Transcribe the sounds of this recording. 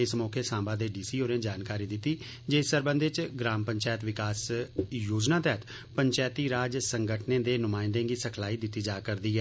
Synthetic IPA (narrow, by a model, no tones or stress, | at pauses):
ɪsmɔːkʰeːsãːbaːd̪eːɖiːsiːoːɾẽːd͡ʒaːnkaːɾiːd̪ɪt̪ːiː | d͡ʒeːsəɾbə̃nd̪eːt͡ʃɡɾaːmpəɲt͡ʃaːjət̪ʋɪkaːsjoːd͡ʒnãːt̪ɛːt̪ | pəɲt͡ʃaːt̪iːɾaːd͡ʒsəŋɡəʈʰnẽːd̪eːnʊmaːɪnd̪ẽːɡiːsəkʰlaːiːd̪ɪt̪ːiːd͡ʒaːkəɾd̪iːɛː